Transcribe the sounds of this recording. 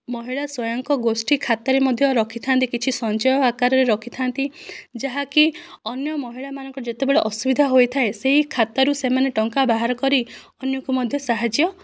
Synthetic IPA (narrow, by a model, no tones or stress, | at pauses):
mɔɦiɭaswɔjɔŋkɔɡosʈikʰat̪ɔɾemɔd̪ʱjɔɾɔkʰit̪ʰant̪ikit͡ʃʰisɔnt͡ʃɔjɔakaɾɔɾeɾɔkʰit̪ʰant̪id͡ʒaɦaki | ɔnjɔmɔɦiɭamanɔ̃ŋkɔd͡ʒet̪ebeɭeʔɔsubid̪ʱaɦojt̪ʰaeseɦikʰat̪aɾusemaneʈɔŋkabaɦaɾɔkɔɾi | ɔnjɔkumɔd̪ʱjɔsaɦad͡ʒjɔ